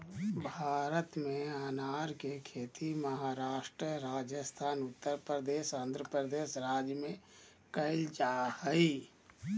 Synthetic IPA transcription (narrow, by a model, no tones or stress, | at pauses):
bʱaːɾət̪mẽanaɾkekʰet̪iməɦaɾaːʃʈɾəɾaːd͡ʒəst̪ʰaːnʊt̪ːəɾpɾəd̪eːsənd̪ɾəpɾəd̪eːʃɾaːd͡ʒjəmẽ | kəɪld͡ʒahəi